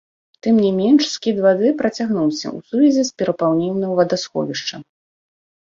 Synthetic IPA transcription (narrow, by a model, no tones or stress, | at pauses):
t̪ɨmnʲimʲɛnʂskʲid̪vad̪ɨpɾɐt͡sʲaɣnuwsʲɐ̰ʔusuvʲɛzʲɛspʲɛɾɐpawnʲiwnɐwvɐd̪asxɔ̰vʲiʂt͡ʂɐ